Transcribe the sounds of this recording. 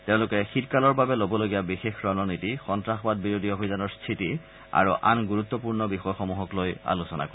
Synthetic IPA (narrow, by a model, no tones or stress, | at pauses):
teʊ̃lʊkɛxitkalɔɹbabɛlobɔloɡijabixexɹɔnɔnitixɔntɹaxɔbat̚biɹodʱiobʱizanɔɹstʰiti | a̰ɹuʔa̰nɡuɹut̪ːɔpuɹnɔbixɔjxɔmuɦɔkloja̰lusɔna̰kɔ